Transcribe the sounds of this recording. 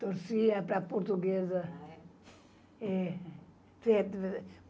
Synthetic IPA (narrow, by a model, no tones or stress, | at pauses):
t̪oɾsiɐpɾapoɾt̪uɡezɐ | ɛ | fed̪